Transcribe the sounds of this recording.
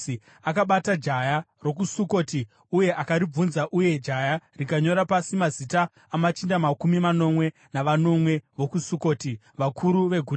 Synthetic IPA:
i | akaɓatad͡ʒaja | ro̞k̬usuko̞ti | uje̞ʔakaɾib͡vunzaʔuje̞d͡ʒajarikaɲo̞ɾapasimazitaː | mat͡ʃindamakumimano̞mwe̞ | naʋano̞mwe̞ʋo̞kusuko̞ːti | ʋakʰuɾuʋe̞ɡʱu

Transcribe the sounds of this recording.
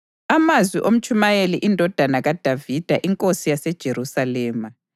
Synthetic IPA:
amazwiʔom̩t͡ʃʼumajeliʔindʱɔd̥ʱanaɣad̥ʱavid̥ʱaʔiŋkʼosijasɛd̥ʒ̥ʱeɾusalɛːma

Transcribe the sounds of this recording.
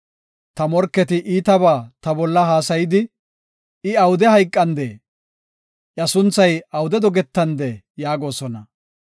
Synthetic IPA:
t̪ɐmɔɾkːɛt̪ɪʔiːt̪ɐbaːt̪ɐbɔlːɐɦaːsɐjɪd̪ɪ | ɪɐwʊd̪ɛhɐjkʼːɐnd̪eː | ʔɐsʊnt͡sːɐjɐwʊd̪ɛd̪ɔɡɛt̪ːɐnd̪eː | jaːɡo̞ːsɔnɐ

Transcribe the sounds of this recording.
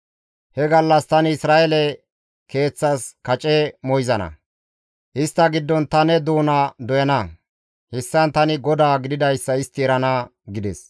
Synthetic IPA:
hɛɡɐlːɐst̪ɐnɪsɾaːʔɛlɛ | ke̞ːt͡sːɐskɐt͡ʃʼɛmɔjzɐnɐ̰ | ʔɪst̪ːɐɡɪd̪ːɔnt̪ɐnɛd̪uːnɐd̪ɔjɐnɐ | hɛsːɐnt̪ɐnɪɡɔd̪aːɡɪd̪ɪd̪ɐjsːɐɪst̪ːɪɛɾɐnɐɡɪd̪ɛs

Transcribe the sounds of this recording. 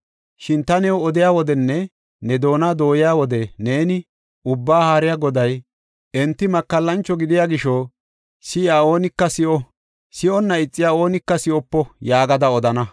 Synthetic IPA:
ʃɪnt̪ɐnɛwɔd̪ɪjaːwɔd̪ɛnːɛ | nɛd̪o̞ːnad̪o̞ːjɪjaːwɔd̪ɛne̞ːnɪ | ʊbːaːhaːɾɪjaːɡɔd̪ɐj | ɛnt̪ːɪmɐkːɐlːɐnt͡ʃːɔɡɪd̪ɪjaːɡɪʃɔ | sɪjaːo̞ːnɪkːɐsɪʔɔ | sɪʔɔnːɐɪt͡sʼːɪjaːo̞ːnɪkːɐsɪʔɔpːɔjaːɡɐd̪ɐɔd̪ɐnɐ

